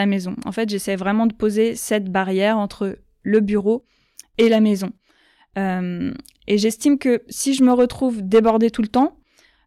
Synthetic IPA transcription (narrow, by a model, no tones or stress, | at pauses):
amezɔ̃ɑ̰̃fɛt̪ʒesɛjvʁɛmɑ̃d̪əpozesɛt̪baʁjɛʁɑ̃t̪χə | ləbyʁo | elamezɔ̃ | øm | eʒɛst̪imkəsiʒəməʁət̪χuvd̪ebɔʁd̪et̪ulət̪ɑ̃